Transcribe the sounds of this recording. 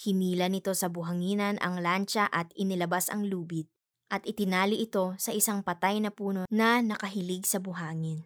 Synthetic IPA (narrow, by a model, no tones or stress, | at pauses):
hɪniːlɐnɪt̪o̞sɐbʊɦɐŋiːnɐnʔɐ̰ŋlant͡ʃɐʔɐt̪̚ɪnɪlɐbasɐ̰ŋluːbɪt̪̚ | ʔɐt̪ʔɪt̪ɪnaːlɪʔɪt̪o̞sɐʔɪsaŋpɐt̪ajnɐpuːno̞nɐnɐkɐɦɪlɪɡ̚sɐbʊɦaːŋɪn